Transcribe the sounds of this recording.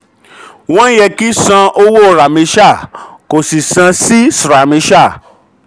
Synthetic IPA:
w̃ɔ̃˦jɛ˧ki˦sã˧o˧wo˦˨ɾa˨mĩ˧ʃa˦˨ko˨si˨sã˧si˦sɾa˨mĩ˧˦ʃa˦˨

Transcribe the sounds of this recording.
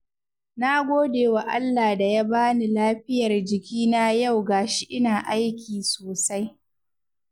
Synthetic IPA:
na˦ɡʷoː˦deː˨wa˨ʔa̰˦lːaː˨da˨ja˦baː˦ni˨laː˦ɸɪ˦jɐ˨rd͡ʒɪ˨kʲiː˦na˦ja˦˨wɡaː˨ʃi˦ʔɪ˦naː˨ʔa˦jkʲiː˨soː˨sa˦j

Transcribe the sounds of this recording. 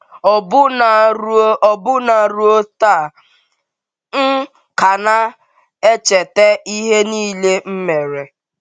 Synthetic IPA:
ɔ˨bʊ˦na˨ɾɔ˨bʊ˦na˨ɾu˦o˦ta˦˨ | ŋ̩˦ | ka˨na˦ | e˦t͡ʃe˨te˦i˦ɦe˦niː˦le˦m̩˦me˨ɾe˨

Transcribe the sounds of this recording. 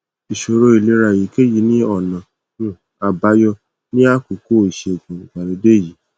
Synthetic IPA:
i˨ʃo˧ɾo˧˦i˨le˨˦ɾa˧˨ji˨˦ke˦ji˨˦nĩ˦ɔ˦˨nã˨ | ũ˦˨ | a˨ba˨˦jɔ˧ | nĩ˦a˦ku˨ko˦˨i˨ʃe˧˨ɡũ˨ɡ͡ba˨ɾi˧˦de˦˨ji˨˦

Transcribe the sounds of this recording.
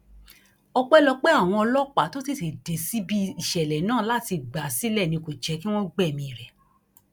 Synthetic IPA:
ɔ˧k͡pɛ˦lɔ˧k͡pe˦a˦˨w̃ɔ̃˧ɔ˧lɔ˦k͡pa˨˦to˦si˦˨se˨de˨si˦bi˦i˨ʃɛ˨lɛ˨nãː˦˨˦la˦˨ti˧ɡ͡ba˨si˨˦lɛ˦˨nĩ˧ko˨d͡ʒɛ˨˧˦ki˦w̃ɔ̃˦ɡ͡bɛ˦˨mĩ˧i˨ɾɛ˨

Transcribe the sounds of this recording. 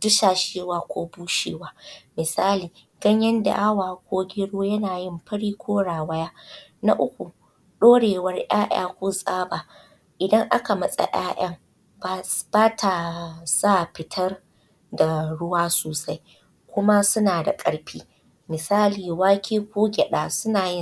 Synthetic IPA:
dʊ˦ʃaː˨ʃeː˦waː˦kʷoː˦buː˦ʃḛː˦waː˦mɪ˨saː˦liː˨ | ɡ̥ɐ˦ɲjɐ˦nda̰˨ʔa˦waː˨kʷoː˦ɡʲɪ˦ɽoː˦jɐ˦naː˨jɪ˦˨mɸɐ˦ɽiː˦kʷʰoː˦ɽaː˨wɐ˦jaː˦na̰˦ʔʊ˦kʷu˨ | ɗoː˦ɽeː˨wɐ˦rj̰aː˦ʔa̰ː˦kʷoː˦sʼaː˦baː˨ | ʔɪ˨dɐ˦ŋʔa˦ka˨mɐ˦˨sʼa̰˨ʔaː˦ʔɐ˦ŋ | bb̥aː˦tʰa˨sa˦˨ɸɪ˨tʰɐ˦r | da˨ɽʊ˦waː˦soː˨sa˦j | kʷʊ˦ma˦sʊ˦naː˨da̰˨kʼɐ˨ɽɸiː˦ | mɪ˨saː˦liː˨waː˦kʲʰeː˦kʷoː˦ɡʲɛ˨ɗaː˨sʊ˦naː˨jɪ˦

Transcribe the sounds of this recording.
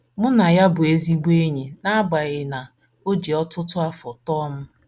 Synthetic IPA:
mʊ˦na˨ja˦bʊ˨e˦zi˦ɡ͡be˦ɲe˨na˦ɡ͡ba˨ɣɪ˨na˨ | o˦d͡ʒi˨ɔ˦tʊ˦tʊ˦a˦fɔ˨tɔ˦m̩˦

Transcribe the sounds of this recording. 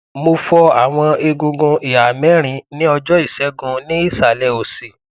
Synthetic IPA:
mo˧fɔ˧a˦˨w̃ɔ̃˧e˧ɡũ˧ɡũ˧ʔi˨a˨mɛ̃˦ɾ̃ĩ˧nĩ˦ɔ˧d͡ʒɔ˦i˦˨sɛ˨˦ɡũ˧nĩ˦i˦˨sa˨lɛ˧˨o˨si˨

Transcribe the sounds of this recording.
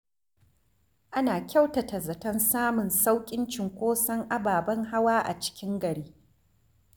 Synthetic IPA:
ʔa˦naː˨kʲa˦wtɐ˨tɐ˨zɐ˨tɐ˦nsaː˦mʊ˨nsa˦wkʲʼɪ˦nt͡ʃɪ˨ŋkʷoː˦sɐ˦ŋʔa˦baː˨bɐ˦ŋɦa˦waː˦ʔa̰˨t͡ʃɪ̥˦kʲɪ˦ŋɡɐ˨ɽiː˦

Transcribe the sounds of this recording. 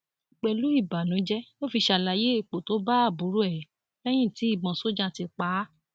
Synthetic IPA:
i˨k͡pɛ˧˨lu˦i˦˨ba˨nũ˨˦d͡ʒɛ˦o˦fi˧ʃa˧˨la˧je˦i˦˨k͡po˨to˦ba˦a˦˨bu˨˦ɾu˦ɛ˨ | fɛ˦j̃ĩ˦˨ti˨˦i˦˨bã˨so˦d͡ʒa˦˨ti˧k͡pa˨˦

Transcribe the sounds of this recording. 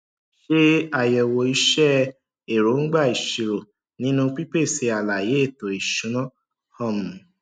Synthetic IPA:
ʃe˦a˨jɛ˨wo˨i˧˦ʃɛ˦ | e˨ɾo˨˦ŋ̩˦ɡ͡ba˦˨i˨ʃi˨ɾo˨ | nĩ˨˦nũ˦k͡pi˦k͡pe˦˨se˧a˨la˨je˨˦e˦˨to˨i˨ʃũ˨˦nɔ̃˦ | hɔ˦˨mũ˨

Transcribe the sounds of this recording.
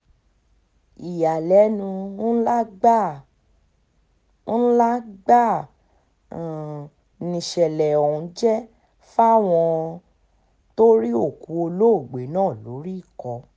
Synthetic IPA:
i˨ja˨lɛ˨˦nũ˧˦la˦ɡ͡ba˦˨˦ | la˦ɡ͡ba˦˨ | nĩ˨ʃɛ˨lɛ˨ɔ˨ũ˨˦d͡ʒɛ˦ | fa˦˨w̃ɔ̃˧ | to˦ɾi˦o˦˨ku˨˦o˧lo˦o˦˨ɡ͡be˨˦nãː˦˨lo˨˦ɾi˦i˦˨kɔ˧

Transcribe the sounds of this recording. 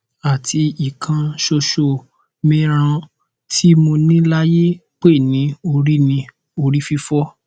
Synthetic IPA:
a˨tʰi˧i˨kʰã˧ʃo˧ʃo˧˨ | mĩ˦ɾ̃ã˧ | ti˦mo˧nĩ˦la˦je˦k͡pe˦˨nĩ˨˦o˧ɾi˦nĩ˧ | o˧ɾi˦fi˧fɔ˦

